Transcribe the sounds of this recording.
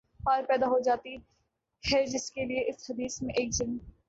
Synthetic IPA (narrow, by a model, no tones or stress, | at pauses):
paːɾpɛːd̪aɦod͡ʒaːt̪i | hɛːd͡ʒɪskelieʔɪshɐd̪iːsmẽʔeːkd͡ʒɪn